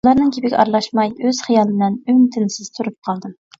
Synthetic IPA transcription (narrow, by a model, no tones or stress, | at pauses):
lˠɑɾnɨŋkʲʰepɪkʲɑ̰ɾlˠɑʃmɑjøz̥χijɑlˠnɪnymt̪ʰɪnsɪz̥t̪ʰuɾup̚qʰɑlˠd̪ɨm